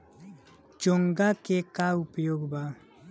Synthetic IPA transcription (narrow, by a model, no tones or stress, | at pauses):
d͡ʒoŋɡakekaupjoɡba